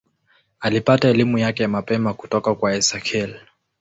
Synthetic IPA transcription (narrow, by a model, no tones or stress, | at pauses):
alipataɛlimujakɛmapɛmaku̥tɔkakwaɛsakʰɛl